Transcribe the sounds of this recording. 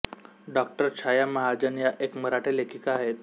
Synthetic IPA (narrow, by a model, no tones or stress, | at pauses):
ɖɔk̚ʈəɾt͡ɕʰajaməɦad͡ʑənjaʔekməɾaʈʰelekʰikaaɦet̪